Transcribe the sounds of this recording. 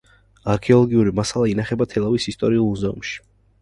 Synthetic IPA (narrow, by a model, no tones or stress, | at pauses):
aɾkʰɛɔlˠɔɡiuɾimasalˠainaχɛbat̪ʰɛlˠavisist̪ʼɔɾiulˠmuzɛṵmʃi̥